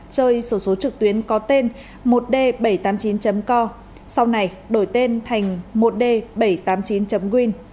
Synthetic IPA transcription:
t͡ɕəː˧jso˨˧˦so˨˦t͡ɕɨ˨˩k̚t̪wi˨˦ənkɔ˨˦t̪e˧n | mo˨˩t̚ɗe˧ɓə˧˩jt̪aː˨˦mt͡ɕi˨˦nt͡ɕə˨˦mkɔ˧ | sa˧wna˧˩j | ɗo˧˩jt̪e˧nt̪ʰa˨˩jŋ̟mo˨˩t̚ɗe˧˩ɓə˧˩jt̪aː˨˦mt͡ɕi˨˦nt͡ɕə˨˦mkwi˧n

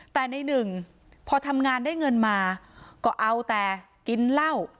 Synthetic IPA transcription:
t̪ɛː˨˩na˧jnɯ˨˩ŋ | pʰɔː˧t̪ʰa˧mŋaː˧ndaː˥˩jŋɤ˧nmaː˧kɔː˥˩ʔa˧wt̪ɛː˨˩ | ki˧nla˥˩w

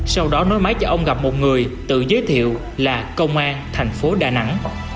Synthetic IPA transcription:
sa˧wɗɔ˨˦nɔ˨˦jmaː˨˦jt͡ɕɔ˧ʔə˧wŋ͡mɣa˨˩p̚mo˨˩t̚ŋɨ˨˩əjt̪ɨ̰˧˨zəː˨˦jt̪ʰḭ˧˨əw | laː˨˩kə˧wŋ͡mʔaː˧nt̪ʰa˨˩jŋ̟fo˨˦ɗaː˨˩na̰˧˥ŋ

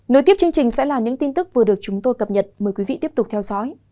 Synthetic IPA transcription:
no˨˧˦jt̪i˦˥əp̚t͡ɕɨ˧əŋt͡ɕï˨˩ŋ̟sɛ̰˧˥laː˨˩ɲɨ̰˧˥ŋt̪i˧nt̪ɨ˦˥k̚vɨ˨˩əɗɨ˨˩ək̚t͡ɕʊ˨˦ŋ͡mt̪o˧jkə˨˩p̚ɲə˨˩t̚məː˨˩jkwi˨˦vḭ˧˨t̪i˦˥əp̚t̪k͡p̚t̪ʰɛ˧wzɔ̰˧˥j

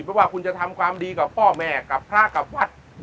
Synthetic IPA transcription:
pɾɔ˧˥waː˥˩kʰu˧nt͡ɕa˨˩t̪ʰa˧mkʰwaː˧mdiː˧ka˨˩pːɔː˥˩mɛː˨˩ka˨˩pʰːɾaː˥˩ka˨˩p̚wa˦˥t̪̚

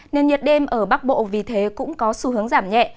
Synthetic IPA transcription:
ne˧nɲi˨˩ət̚ɗe˧mʔəː˧˩ɓa˦˥k̚ɓo̰˧˨vi˨˩t̪ʰe˨˦kʊ̰˧˥ŋ͡mkɔ˨˦su˧ɦɨ˨˦əŋzaː˧˩mɲɛ̰˧˨ʔ

